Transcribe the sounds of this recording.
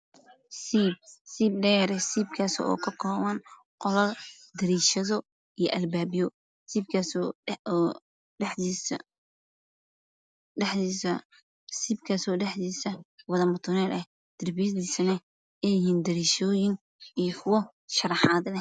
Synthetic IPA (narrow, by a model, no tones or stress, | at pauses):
sib̚siːb̚ɖɛːɾɛsiːbkʰaːsɛ̰ɔ̰ːkʰɐkʰɔːwɐn | qɔlɐ | d̪ɐɾiːʃɐðɔ | ijɞʔɐlbaːbɪjɔ | siːb̚kʰas | ħis | ɖɛħiːsɐ | siːbkʰaːsɔːɖɛħdiːsɐwɐðɐmɐt̪ʰʊnɛːlʔɐh | d̪̥ɪrbijɐðiːsɐnɐ | ɛjɪhiːnd̪ɐɾiːʃɔːjɪŋ | ijkʰʊwɐ | ʃɐrɑħɑːd̪lɛ